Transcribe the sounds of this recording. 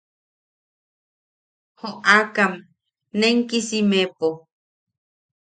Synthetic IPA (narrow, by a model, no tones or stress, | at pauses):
hoʔakam | neŋkisimepo